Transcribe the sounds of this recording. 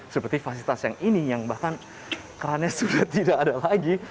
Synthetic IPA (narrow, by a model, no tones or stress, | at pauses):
səpərt̪ifasilit̪asjaŋinijaŋbakan | kaɾanasudaht̪idakadalaɡi